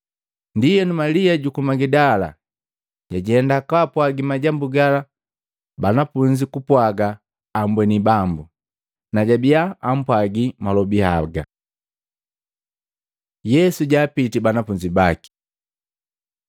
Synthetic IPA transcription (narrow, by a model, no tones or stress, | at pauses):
ndijɛnumaliaɟukumaɡidala̰ | ɟ̥aɟihɛndakapwaɡimaɟambuɡala | banafuɲd͡ʒikupwaɡaː | mbwɛnibambu | naɟabiaːm̩pwaɡimalɔbiha̰ɡa | jɛsuɟaːpitibanafuɲd͡ʒibaki̥